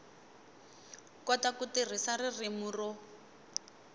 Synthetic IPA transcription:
kɔtakutir̤isaririmurɔ

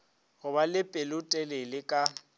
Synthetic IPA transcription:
ɣʊbalɪpʼɪlʊtʼɛlɪlɪkʼa

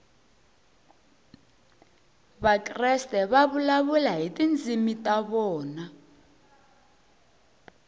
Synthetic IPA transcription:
βakʼrɛstʼɛβaβulaβulaɦitʼind͡zʱimitʼaβɔːna

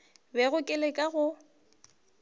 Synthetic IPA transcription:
bɛɣʊkʼɪlekʼaɣʊ

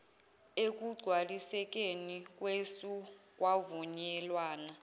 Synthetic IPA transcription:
ek̬ʼuɡ͡ǀʱwalisɛk̬ʼenik̬ʼwesuk̬ʼwavuɲɛlwaːna

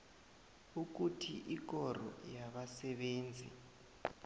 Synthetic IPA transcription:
uk̬utʰiʔik̬ɔrɔ̰jaɓasɛɓeːnd͡zʱḭ

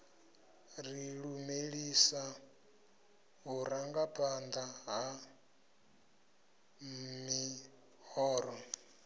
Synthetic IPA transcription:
riɺumeɺisa | ɦuɾaŋɡapʼand̪aɦa | mi | hɔːɾɔ

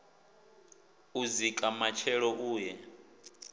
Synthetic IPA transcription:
uzikʼamat͡ʃʰɛɺɔʔuːjɛ

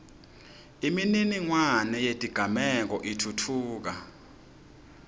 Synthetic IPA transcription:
imininiŋwanɛjetʼiɡ̥ʱamɛk̬ɔʔitʰutʰuːk̬a

